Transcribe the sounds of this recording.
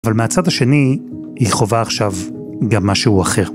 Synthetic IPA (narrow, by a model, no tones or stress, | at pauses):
valmeat͡sad̪aʃe̞ni | hiχo̞vaːχʃav | ɡamːaʃeuaχe̞ʁ